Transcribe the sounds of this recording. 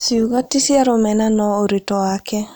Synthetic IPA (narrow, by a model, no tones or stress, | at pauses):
siuɣatisjaɾomɛnanɔoɾetɔwakɛ